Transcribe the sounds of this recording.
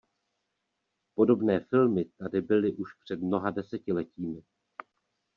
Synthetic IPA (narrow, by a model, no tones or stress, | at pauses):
po̞do̞bnɛːfɪlmɪt̪adɪbɪlɪʔuʃpr̝̥ɛdmno̞ɦadɛsɛcɪlɛciːmɪ